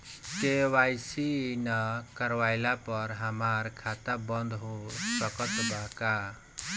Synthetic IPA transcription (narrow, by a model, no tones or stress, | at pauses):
kewajsinəkəɾʋajlapʌɾɦəmaɾkʰat̪abʌnd̪ʱɦosʌkət̪bʱaka